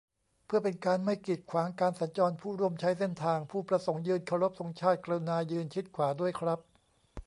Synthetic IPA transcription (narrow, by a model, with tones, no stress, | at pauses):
pʰɯ˥˩ɐpe˧nkaː˧nma˥˩jki˨˩t̪̚kʰwaː˩˦ŋkaː˧nsa˩˦nt͡ɕɔː˧npʰuː˥˩ɾu˥˩əmt͡ɕʰa˦˥jse˥˩nt̪ʰaː˧ŋpʰuː˥˩pɾa˧so˩˦ŋjɯː˧nkʰa˧ɾo˦˥p̚so˩˦ŋt͡ɕʰaː˥˩t̪̚klɤː˧naː˧jɯː˧nt͡ɕʰi˦˥t̪̚kʰwaː˩˦du˥˩əjkʰɾa˦˥p̚